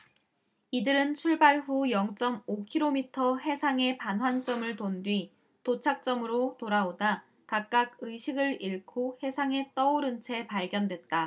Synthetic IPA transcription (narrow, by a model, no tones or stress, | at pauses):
idɯɾɯnt͡ɕʰuɭbaɭɸujʌŋt͡ɕ͈ʌmokʰiɾomitʰʌɦe̞sʰaŋe̞panɦwant͡ɕ͈ʌmɯɭtondwɥi | tot͡ɕʰak̚t͡ɕ͈ʌmɯɾotoɾaoda | kak̚k͈aɡɯjɕʰiɡɯɾiɭkʰohe̞sʰaŋe̞t͈ʌoɾɯnt͡ɕʰe̞paɭɡjʌndwe̞t̚t͈a